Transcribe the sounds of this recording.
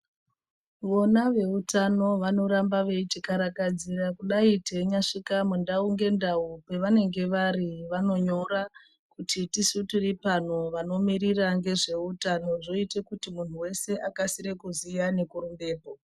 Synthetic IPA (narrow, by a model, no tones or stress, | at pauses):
ʋo̞naʋe̞utʰano̞ʋano̞ɾambaʋe̞it͡ʃikaɾakad͡zirakuɗaite̞ɲaʂikamundauŋɡe̞ndaupe̞ʋane̞ŋɡe̞ʋariʋano̞ɲo̞ɾa | kutitisutiripan̤oʋano̞miɾiraŋɡe̞ʐe̞utano̞ʐo̞itekutimun̤uwe̞se̞ʔakasiɾekuzijane̞kuɾumbe̞ːpo̞